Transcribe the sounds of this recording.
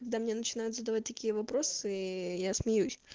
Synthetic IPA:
ɐɡ̚d̪amnʲenət͡ɕɪn̪ajʊt̪zəd̪ɐvat̚ʲt̪ɐkʲijəvɐpɾo̞sɨjasmʲɪjusʲ

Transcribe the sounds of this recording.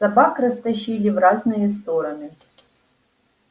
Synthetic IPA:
sɐbakɾɐst̪ɐɕilʲivɾaznɨjɛst̪ɔɾɐnɨ

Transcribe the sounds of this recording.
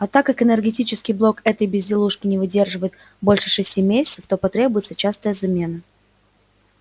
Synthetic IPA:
ɐt̪akːakɨnʲərɡʲɪtʲit͡ɕɪskʲɪjblˠo̞kɛt̪əjbʲɪzʲdʲɪlˠuʂkʲɪnʲɪvɨdʲe̞rʐɨvəjɪt̪̚ | bo̞lʲʂɨʂɨsʲtʲimʲesʲɪt̪səft̪o̞pɐt̪ɾʲebʊjɪt̪sət͡ɕast̪əjəzɐmʲe̞nə

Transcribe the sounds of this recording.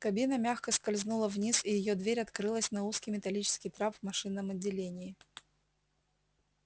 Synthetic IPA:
kɐbʲinəmʲaxkəskɐlʲznulˠəvnʲisijɪjod̪vʲeɾʲɐt̪kɾɨlˠəsʲnɐuskʲɪjmʲɪt̪ɐlʲit͡ɕɪ̥skʲɪjt̪ɾapvmɐʂɨnːəmɐdʲːɪlʲenʲɪɪ

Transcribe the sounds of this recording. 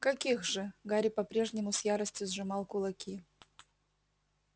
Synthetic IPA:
kɐkʲixʐɨɡaɾʲɪpɐpɾʲe̞ʐnʲɪmʊsʲjaɾəsʲtʲjʊzʐɨmɑlˠkʊlˠɐkʲʰi

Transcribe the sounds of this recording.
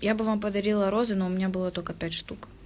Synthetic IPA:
jabɨvamp̬əd̪ɐɾʲilˠɐɾozɨnoʊmʲɪnʲabɨlˠət̪olʲkəpʲætʲʂt̪uk

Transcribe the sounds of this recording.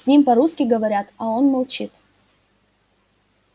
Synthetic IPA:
sʲnʲimpɐɾuskʲɪɡəvɐɾʲat̪ɐo̞nmɐlˠt͡ɕit̪

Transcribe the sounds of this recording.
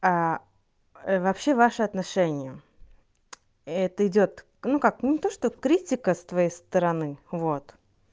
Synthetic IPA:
a | vɐpɕːe̞vaʂɨɐt̪nɐʂɛnʲɪjə | ɛt̪əɪdʲo̞t̪ | nukak̚nnʲɪt̪o̞ʂt̪okɾʲitʲɪkəst̪vɐjejst̪əɾɐnɨvot̪

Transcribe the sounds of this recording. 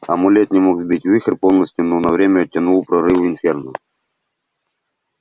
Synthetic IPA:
ɐmʊlʲet̪ʲnʲɪmokzbʲitʲvɨxərpolˠnəsʲtʲjʊnonɐvɾʲemʲəɐtʲːɐnulˠpɾɐɾɨvɪnfʲernʊ

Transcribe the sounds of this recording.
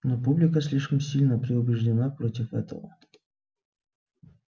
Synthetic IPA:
nopublʲɪkəsʲlʲiʂkəmsʲilʲnəpɾʲɪʊbʲɪʐdʲɪnapɾotʲɪfɛ̰t̪ə̰və̰

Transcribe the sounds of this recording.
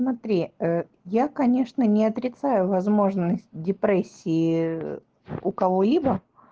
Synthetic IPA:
smɐt̪ɾʲiə | jakɐnʲe̞ʂnənʲɪɐt̪ɾʲɪt̪sajʊvɐzmo̞ʐnəsʲtʲdʲɪpɾesʲːɪː | ʊkɐvo̞lʲibə

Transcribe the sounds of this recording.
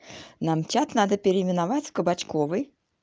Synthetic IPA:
namt͡ɕʲat̪nad̪əpʲɪɾʲɪmʲɪnavat͡sʲfkəbat͡ɕkovɨj

